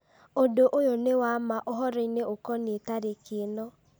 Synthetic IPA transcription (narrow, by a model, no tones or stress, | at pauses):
odoʔojonewamaʔoɦɔɾɔineokɔnetaɾekenɔ